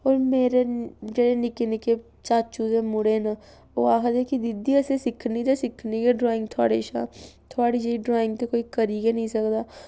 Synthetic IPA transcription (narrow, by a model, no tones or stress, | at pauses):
ɔːɾmeːɾed͡ʒɐɽenɪkneke | t͡ʃaːɾt͡ʃuːzẽmʊɽena | oaːɦəd̪ekid̪ɪd̪iɐsesɪkʰnid͡ʒ̪ɛsɪkʰnikeɖɾɔːɪ̃ŋɡt̪ʰa̰ːɽeʃa̰t̪ʰoaɽid͡ʒɐiɖɾaːɪ̃ŋɡ̚t̪ekoːikɐɾiɡenɐɦĩsɐkd̪aː